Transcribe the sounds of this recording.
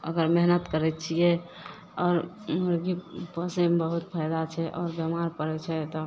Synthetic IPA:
ə̰ɡəɾmeɦnət̪kəɾɛt͡ʃʰijɛ | ɔːɾ | məɾɡipəsembəɦut̪pʰajd̪at͡ʃʰɛʔɔːɾbəmaɾpəɾɛt͡ʃʰɛt̪ɔ

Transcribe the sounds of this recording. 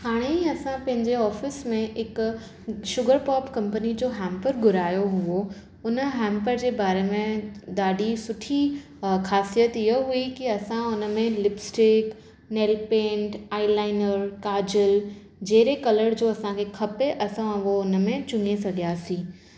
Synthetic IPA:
haːɽ̃eɐsãpɐ̃ɦɪ̃ɲd͡ʑeɔːfɪsmẽɪk | ʃʊɡəɾpɔːpkɐ̃mpənid͡ʑoːɦɛ̃ːmpəɾɡʱʊɾaːjoɦuo | ʊnə̆ɦɛ̃ːmpəɾd͡ʑeːbaːɾemẽd̪aːɖisʊʈʰi | xʰaːsijət̪ijoɦuikiɐsãʊnə̆mẽlɪbsʈɪk | neːlpẽːɳʈaːilaːɪnəɾkaːd͡ʑəl | d͡ʑeːɾekɐləɽd͡ʑoːɐsãkʰekʰɐpeʔɐsãɐʋoʊnəmẽt͡ɕʊ̃ŋesɐɡijaːsĩː

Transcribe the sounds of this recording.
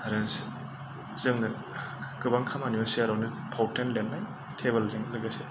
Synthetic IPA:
ɾens | z̥ɯŋnɯ | kɯbaŋkʰamaniɔsiaɾawni | pʰawtʰenlenːaj | tʰeβelzɯŋlɯɡase

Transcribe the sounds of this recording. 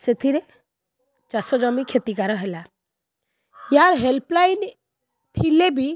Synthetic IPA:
set̪ʰiɾe | t͡ʃasɔd͡ʒɔmikʰet̪ikaɾɔɦela | jaɾɦelplajn | t̪ʰilebi

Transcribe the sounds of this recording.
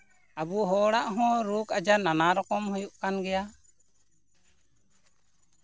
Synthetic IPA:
abuɦɔɽaʔɦɔ̃ɾukad͡ʒananaɾɔkɔmhujuʔkanɡɛja

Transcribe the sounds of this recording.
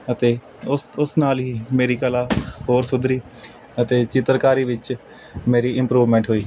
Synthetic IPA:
ət̪eː | ʊsʊsnaːlɦiːmeːɾiːkəlaːɦoːɾsʊd̪ɾiː | ət̪eːt͡ʃɪt̪əɾkaːɾiːʋɪt͡ʃ | meːɾiːɪ̃mpɾuːʋmɛ̃ːɳʈɦoːiː

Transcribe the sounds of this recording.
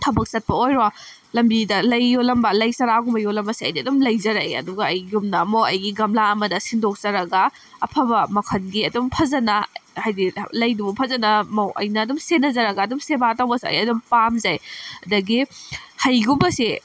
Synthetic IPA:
tʰɐbɐk̚sɐt̚pɐojɾo | lɐmbidɐlɐjːolɐmbɐlɐjsɐɾaɡumbɐjolɐmbɐsiɐ̰jdiɐdumlɐjzɐɾajɐ̰duɡɐːjɡumnɐmowɐjɡiɡɐmlaɐmɐdɐsindok̚zɐɾɐɡɐ | ɐpʰɐbɐmɐkʰɐnɡiɐdumpʰɐzɐnɐhajdilɐjdubɐpʰɐzɐnɐmɐwʔɐ̰jnɐːdumsenɐzɐɾɐɡɐːdumsebatawbɐsɐ̰jɐdumpamzajɐdɐɡihɐjɡumbɐsi

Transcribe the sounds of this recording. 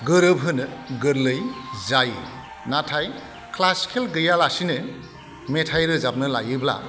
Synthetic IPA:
ɡɯɾɯbɦɯnɯɡɯɾlɯjzaj | natʰaj | kʰlaskʰelɡɯjalasinɯ | metʰajɾɯzab̚nɯlajɯbla̰

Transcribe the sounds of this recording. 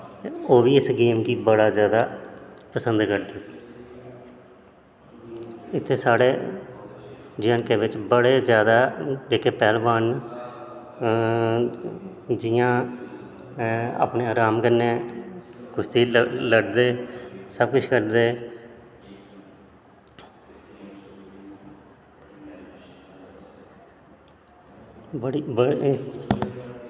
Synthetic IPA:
oːʋiːɪsɡeːmkiːbəɽaːzjaːd̪aːpəsənd̪kəɾd̪eː | ɪt̪ʰːeːsaːɽeː | d͡ʒaːnkeːʋɪt͡ʃbəɽeːzjaːd̪aːeːkʰeːpɛːlʋaːn | d͡ʒɪjãː | a̰ːpneːaːɾaːmkənːeː | kʊst̪iːləɖd̪eːsəb̚kʊt͡ʃʰkəɾd̪eː | bɽibə

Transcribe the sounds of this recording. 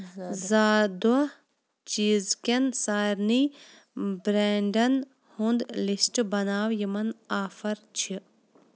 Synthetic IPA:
zaːd̪ɐ | t͡ʃiːzkɐnsaːɾni | bɾeːɳɖɐn | hund̪lisʈbɐnaːwjimɐnaːfɐɾt͡ʃʰi

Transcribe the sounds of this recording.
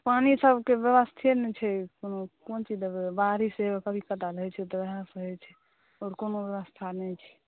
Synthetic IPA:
panisəbʱkebeʋəst̪ʰenɛt͡ʃʰɛkonokont͡ʃid̪əbaɾisekəbʱikət̪aɾəɦɛt͡ʃʰɛt̪ɔʋɛɦãsəɦɛt͡ʃʰɛ | ɔːɾkonoʋʋəst̪ʰanɛt͡ʃʰɛ̥

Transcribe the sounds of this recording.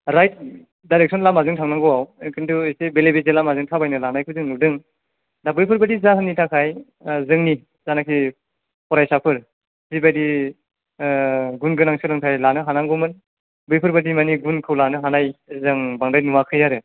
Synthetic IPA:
ɾajt̚ | dajɾek̚sʰɔnlamazɯŋtʰaŋnaŋɡɔwawkʰɯntuijsebelebezelamazɯŋtʰabajnɯlanajkʰɯzɯŋnudɯŋ | dabɯjpʰɯɾbadizaɦɯnitʰakʰaj | zɯŋni | zanakʰi | pʰɔɾajsapʰɯɾ | zibajdi | ɡunɡɯnaŋsɯlɯŋtʰajlanɯɦanaŋɡɔmɯn | bɯjpʰɯɾbadimaniɡunkʰɯwlanɯɦanajzaŋbaŋdajnuwakʰɯjaɾɯ

